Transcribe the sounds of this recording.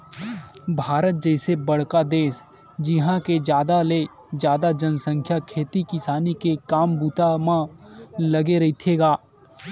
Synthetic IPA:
bʱaːɾət̪̚d͡ʒɛːsebɐɽ̤kad̪eːs | d͡ʒɪɦãked͡ʒjaːd̪ale | d͡ʒjaːd̪ad͡ʒənsə̃ŋkʰjakʰeːt̪ikɪsaːnikekaːmbuːt̪amãlɐɡeɾɐɦit̪ʰeːɡaː

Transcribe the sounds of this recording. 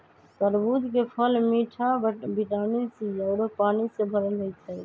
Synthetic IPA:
t̪əɾbut̪kepʰəlmiʈʰabiʈanisiəʊɾopanisẽbʱəɾəld͡ʒojt͡ʃʰə

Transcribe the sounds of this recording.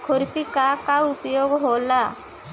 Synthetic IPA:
kʰʊɾpikakaʊpjoːɡɦoːlaː

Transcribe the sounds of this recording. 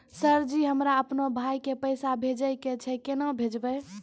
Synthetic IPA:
səɾd͡ʒiɦəmɾaəpnobʱajkepəjsabʱed͡ʒəjket͡ʃʰɛkenəbʱed͡ʒbəj

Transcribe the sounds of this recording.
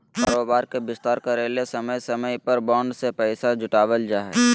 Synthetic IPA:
kaːɾoːbaːɾkebɪst̪aːɾkɐɾeːlesɐməjsɐməjpɐɾbɔ̃ːɳɖsepɛɪsad͡ʒʊʈaːʋəld͡ʒaːɦɛ

